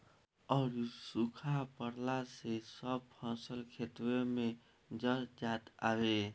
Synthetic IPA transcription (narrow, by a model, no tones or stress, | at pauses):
ɔːɾsukʰapəɽlasesəb̚pʰɔ̃səlkʰet̪weme | d͡ʒəɾd͡ʒat̪abe